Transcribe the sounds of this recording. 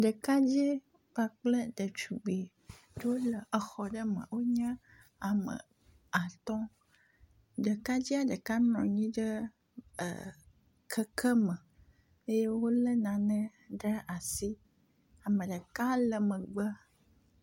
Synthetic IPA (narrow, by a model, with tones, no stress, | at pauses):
ɖə˨ka˦d͡ʑi˦ | b̥a˨k͡plə˦ɖə˨t͡ʃu˨ɡ͡be˨ | ɖə˦wo˦lə˨ʔə˨xɔ˨ɖə˦mə̰̃˨wo˦ɲã˦ | a˨mə̰˨ | a˨t̪ɔ˦ | ɖə˨ka˦d͡ʑi˦a˦ɖə˨ka˦nɔ̃˨ɲĩ˦ɖə̰˦˨ | kʰə˦kʰə˦mə̃˨ | e˦je˦wo˦lə˦nã˨nə̃˦ | ɖə˦ʔa˨si˦ | a˨mə̃˨ɖə˨ka˦lə˨mə̃˨ɡ͡bə˦